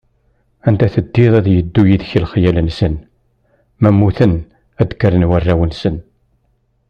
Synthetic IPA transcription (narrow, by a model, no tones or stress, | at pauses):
ænt̪æθəd̪ːiðˤæðjəd̪ːujiðçəlχjælənsən | mæmːuθən | æd̪kəɾənwærːæwənsən